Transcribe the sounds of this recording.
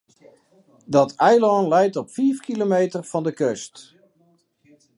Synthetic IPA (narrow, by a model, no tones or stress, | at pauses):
dɔtɛjlɔnlɛjtɔpfiːfkilomejtərfɑndəkøst